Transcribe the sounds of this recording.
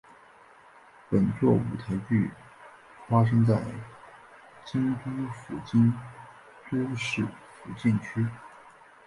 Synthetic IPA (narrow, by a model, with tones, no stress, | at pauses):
pə˨˩nt͡swɔ˥˩ṵ˨˩t̪ʰa˧˥ɪt͡ɕy˥˩ | fa˥ʂ̬ɤ˥ŋt͡sa˥˩ɪ | t͡ɕi˥ŋt̪u˥fu˨˩t͡ɕi˥n | t̪o˥ʊʂɻ̩˥˩fu˨˩t͡ɕi˥˩nt͡ɕʰy˥